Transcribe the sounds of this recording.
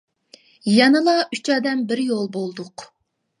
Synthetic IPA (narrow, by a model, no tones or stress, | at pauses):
jɛnɨlˠɑʔyt͡ʃɑːd̪ɛmbɪɾjolˠbolˠd̪ʊq